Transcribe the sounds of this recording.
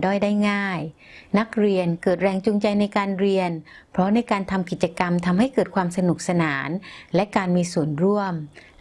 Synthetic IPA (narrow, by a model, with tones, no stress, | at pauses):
dɔː˥˩jdaː˥˩jŋaː˥˩j | na˦˥k̚ɾi˧ənkɤː˨˩t̪̚ɾɛː˧ŋt͡ɕu˧ŋt͡ɕa˧jna˧jkaː˧nɾi˧ən | pʰɾɔ˦˥na˧jkaː˧nt̪ʰa˧mki˨˩t̪̚t͡ɕa˧ka˧mt̪ʰa˧mɦa˥˩jkɤː˨˩t̪̚kʰwaː˧msa˧nu˨˩k̚sa˧naː˩˦nlɛ˦˥ʔkaː˧nmiː˧su˨˩ənɾu˥˩əm